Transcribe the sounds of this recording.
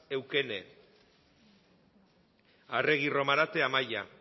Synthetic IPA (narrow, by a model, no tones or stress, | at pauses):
e̞wke̞ne | are̞ɣ̞iro̞maɾat̪e̞amaja